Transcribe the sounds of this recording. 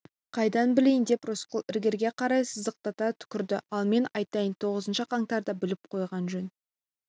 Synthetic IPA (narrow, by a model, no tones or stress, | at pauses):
qʰɑjd̪ɑnbɪlejnd̪e̞prʊsqəlˠɪɾɡʲeɾɡʲe̞qʰɑɾɑjsəzəq̚t̪ɑt̪ɑt̪ʰʏ̥kʲɪɾd̪ɪɑlˠme̞nɑjt̪ɑjənt̪ʰo̞ʁəzənʃəqʰɑŋt̪ɑɾd̪ɑbɪlɪp̚qʰo̞jʁɑnʒɵn